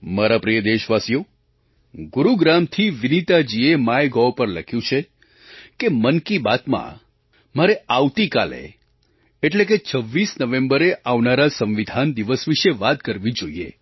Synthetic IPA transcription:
maɾapɾijəd̪eʃʋasjo | ɡʊɾuɡɾamt̪ʰiʋɪnit̪ad͡ʒiemaeɡɔʋpəɾləkʰjũt͡ʃʰe | kemənkibat̪mã̰ | maɾeaʋt̪ikalḛ | eʈlek̬et͡ʃʰəʋːisnəʋẽmbəɾeʔaʋnaɾasə̃mʋid̪ʱand̪iʋəsʋiʃeʋat̪kəɾʋid͡ʒoḭḛ

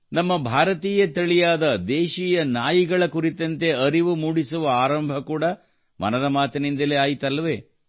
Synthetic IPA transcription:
nɐmːɐbʱaːɾɐt̪iːjɐt̪ɐɭijaːd̪ɐd̪ɛːʃiːjɐnaːjiɡɐɭɐkuɾit̪ːɐnt̪e̞ɐɾiʋumuːɽisuʋɐaːɾɐmbʱɐkuːɽɐ | mɐ̰nɐd̪ɐmaːt̪ɐnind̪ɐleaːjit̪ɐlːɐʋeː

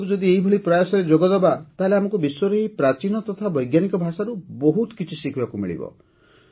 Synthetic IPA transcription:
kud͡ʒɔd̪ieɦibʱɔɭipɾɔjasɔɾed͡ʒoɡɔd̪ɔbat̪aɦeleamɔŋkubiswɔɾɔɦeipɾat͡ʃinɔt̪ɔt̪ʰabɔjɡjanikɔbʱasaɾubɔɦut̪kit͡ʃʰisikʰibakumḭɭḭbɔ̰

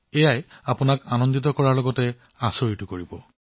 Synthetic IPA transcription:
ejajapʊnakanɔndit̬ɔkɔɹaɹlɔɡɔtɛ | asoɹitukoɹibɔ

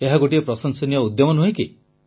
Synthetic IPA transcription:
eɦaɡoʈiepɾɔsɔnsɔnijɔud̪jɔmɔnuɦeki

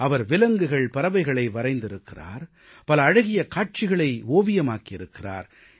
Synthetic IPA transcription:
ɐʋɐɾʋɪlɐŋɡɯɣɐɭpɐɾɐʋɐɪɣɐɭɐɪʋɐɾɐɪnd̪ɪɾɯkːɪra̰ːɾ | pɐlɐːɻɐɣɪjɐkaːʈ̚t͡ʃɪɣɐɭɐɪoːʋɪjɐmaːkɪɾɯkːɪra̰ːɾ

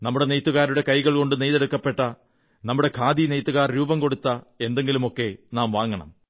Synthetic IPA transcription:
nɐmːuɽe̞nejt̪ːuɣaːɾuɽe̞kɐjɣɐɭko̞ɳɖɨnejðeɽukːɐpːe̞ʈːɐ | nɐmːuɽe̞kʰaːd̪inejt̪ːuɣaːrɾuːbɐmko̞ɽut̪ːɐ | e̞nd̪e̞ŋɡilumo̞kːe̞naːmʋaːŋːɐɳɐ̰m

